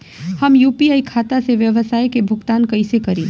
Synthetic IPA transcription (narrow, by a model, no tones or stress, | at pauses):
hɐmjuːpiaːikʰaːt̪aseʋjəʋəsaːjkebʱʊɡt̪aːnkɐɪsekɐɾẽː